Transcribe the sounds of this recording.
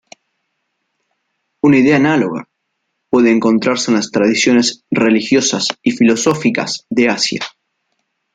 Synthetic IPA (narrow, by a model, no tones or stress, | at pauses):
unaiðeaːnalo̞ɣa̰ | pwe̞ðeːŋko̞nt̪ɾaɾsenlast̪ɾað̞isjo̞ne̞sre̞lixjo̞sasifilo̞so̞fika̰sðe̞asja̰